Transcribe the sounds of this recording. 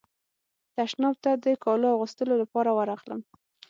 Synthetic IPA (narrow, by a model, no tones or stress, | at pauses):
t̪aʃnɑb̚t̪ad̪əkɑloaɣəst̪əlolapɑɾawaɾaxlə̰m